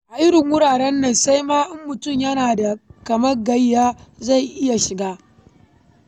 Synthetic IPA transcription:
ʔa˨ʔɪ˦ɽɪ˨ŋwʊ˦ɽaː˨ɽɛ˦nːɐ˨nsa˦jmaː˦ʔɪ˦mːʊ˨tʊ˦˨mjɐ˦naː˨da˨kɐ˨mɐ˦rɡɐ˦jːaː˦za˦˨jʔɪ˦ja˨ʃɪ˨ɡaː˦

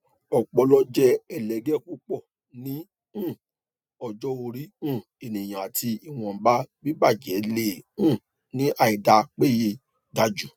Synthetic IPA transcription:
ɔ˨k͡pɔ˧lɔ˦d͡ʒɛ˦ɛ˨lɛ˨ɡɛ˦ku˦k͡pɔ˦˨ | nĩ˨˦ | ũ˦˨ | ɔ˧˨d͡ʒɔ˦o˧ɾi˦ũ˦˨ | e˨nĩ˨j̃ã˨a˨tʰi˧i˨w̃ɔ̃˧˨ba˦bi˦ba˦˨d͡ʒɛ˨˦le˦˨ũ˦˨ | nĩ˨˦ʔa˦˨i˨da˧k͡pe˦˨je˧ | da˧d͡ʒu˦

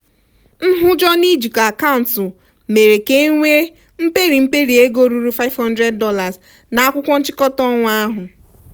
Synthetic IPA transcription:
n̩˦ɦʊ˦d͡ʒɔ˦ni˦d͡ʒi˨ka˨ka˦ʊ˨n̩˨tʊ˨ | me˨ɾe˨ke˦ŋʷe˦ | m̩˦pe˦ɾi˨m̩˦pe˦ɾi˨e˦ɡo˦ɾu˦ɾu˦fa˦ɪ˦vhɔ˦ndɾe˦d̚ːɔ˦la˨z | na˨a˦kʷʊ˦kʷɔ˦n̩˦t͡ʃɪ˦kɔ˦tɔ˦ŋʷ˦a˦ɦʊ˨

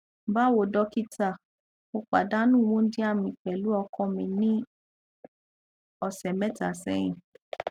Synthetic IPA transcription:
ba˦wo˨dɔ˧˦ki˦ta˦˨ | o˧k͡pa̰˨da˦nũ˦˨wũ˨˦di˦a˦˨mĩ˧k͡pɛ˨lu˨˦ɔ˧kʰɔ̃˦˨mĩ˨nĩ˦ | ɔ˨sɛ˨mɛ̃˦ta˨sɛ̰˧˦j̃ḭ̃˨

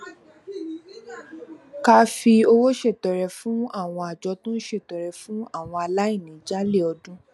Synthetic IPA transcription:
ka˦fi˧o˧wo˦ʃe˦˨tɔ˨ɾɛ˨fũ˨˦a˦˨w̃ɔ̃˧a˨d͡ʒɔ˧tũ˦n̩˦ʃe˦˨tɔ˨ɾɛ˨fũ˦a˦˨w̃ɔ̃˧a˧la˦i˦˨nĩ˨d͡ʒa˦le˦˨ɔ˧dũ˦

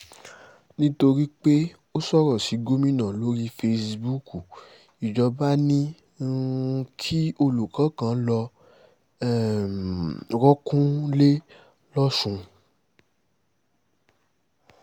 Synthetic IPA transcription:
nĩ˦to˧ɾi˦k͡pe˦ | o˦sɔ˦ɾɔ˦˨si˨˦ɡo˦mĩ˦nã˨lo˦ɾi˧fe˧si˧bu˦ku˨ | i˨d͡ʒɔ˧ba˦nĩ˦˧ | kʰi˦o˧lu˨kã˨˦kã˨˦lɔ˧ | ɛ˦˨ | ɾɔ˦kũ˦le˦ | lɔ˦ʃũ˧

